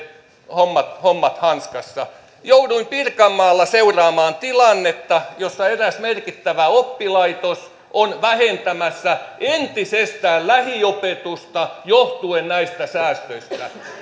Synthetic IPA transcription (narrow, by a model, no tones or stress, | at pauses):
homːɑt̪homːɑt̪hɑnskɑsːɑ | jouduimpirkɑmːɑːlːɑseurɑːmɑːnt̪ilɑnːet̪ːɑjosːɑeræsmerkit̪ːæʋæopːilɑit̪os | ʔonʋæhent̪æmæsːæʔent̪isest̪æːllæhiopet̪ust̪ɑjoht̪uennæist̪æsæːst̪øist̪æ